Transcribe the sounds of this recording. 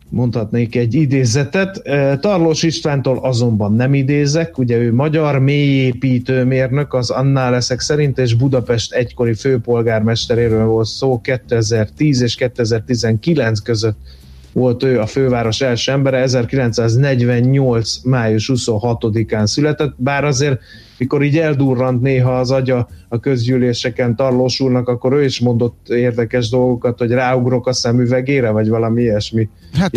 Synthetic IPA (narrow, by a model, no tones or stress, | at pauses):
mo̞nt̪hɒt̪neːkɛɟːid̪eːzɛt̪ɛt̪t̪ɒrloːʃiʃt̪vaːnt̪oːlʔɒzo̞mbɒnːɛmid̪eːzɛkuɟɛøːmɒɟɒrmeːjeːpiːt̪øːmeːrnø̞kɒzɒnːaːlɛsɛksɛɾint̪eːʒbud̪ɒpɛʃt̪ɛcko̞ɾiføːpo̞lɡaːrmɛʃt̪ɛɾeːɾøːlvo̞lt̪soːkɛt̪ːøɛzɛrt̪iːzeːʃkɛt̪ːøɛzɛrt̪izɛŋkilɛnt̪skøzøt̪ | vo̞lt̪øːɒføːvaːɾo̞ʃɛlʃøːɛmbɛɾɛɛzɛrkilɛnt̪saːznɛɟvɛɲɲolt̪smaːjuʃhuso̞ɦɒt̪o̞d̪ikaːnsylɛt̪ɛt̪ːbaːɾɒzeːr | miko̞ɾiːɟɛld̪uːrːɒnt̪neːɦɒːzɒɟɒɒkø̞zɟyːleːʃɛkɛnt̪ɒrloːʃulnɒkɒkːo̞ɾøːiʃmo̞nd̪ot̪ːeːrd̪ɛkɛʒd̪o̞lɡo̞kɒt̪ho̞ɟraːuɡro̞kɒsɛmyvɛɡeːɾɛvɒɟvɒlɒmiiɛʃmi